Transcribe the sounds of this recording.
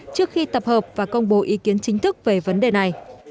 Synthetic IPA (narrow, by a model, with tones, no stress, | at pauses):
t͡ɕɨ˦˥ək̚xi˧t̪ə˨˩p̚həː˨˩p̚vaː˨˩kə˧wŋ͡mɓo˨˦ʔi˨˦ki˨˦ənt͡ɕï˨˦ŋ̟t̪ʰɨ˦˥k̚ve˨˩və˨˦nɗe˨˩na˨˩j